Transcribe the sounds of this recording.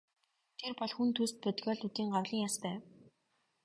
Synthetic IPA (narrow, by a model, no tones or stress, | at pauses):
t̪ʰerpɔɮxunt̪ʰuːst̪̚pɵt̪ɡʲɔːɮut̪iːŋɢawɮ̥iːŋjaspæːw